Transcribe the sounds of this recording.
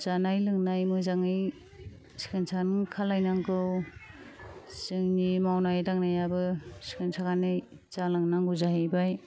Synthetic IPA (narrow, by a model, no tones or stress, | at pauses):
zanajlɯŋnajmɯzaŋɯj | si̥kɯnsʰanɯŋkʰalajnaŋkɯw | zɯŋnimawnajdaŋnajabɯsi̥kɯnsʰakanɯj | zalaŋnaŋɡuzaɦejbaj